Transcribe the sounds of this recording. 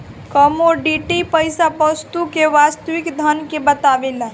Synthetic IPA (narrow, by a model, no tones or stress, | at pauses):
kəmoɖiʈipəjsapəst̪ukeʋast̪əʋikd̪ʱənkebət̪aʋela